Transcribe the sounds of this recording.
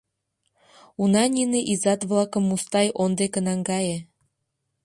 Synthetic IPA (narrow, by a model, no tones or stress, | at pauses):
unɑnʲineʔizɑt̪βlɑkəmːust̪ɑjʔond̪ekənɑŋɡɑje